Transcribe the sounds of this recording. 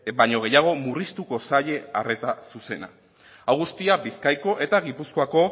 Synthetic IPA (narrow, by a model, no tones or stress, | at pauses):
baɲo̞ɣ̞e̞jaɣ̞o̞murist̪uko̞saʎe̞are̞t̪asuse̞na̰ | awɣust̪iabiskajko̞ʔe̞t̪aɣ̞ipusko̞ako̞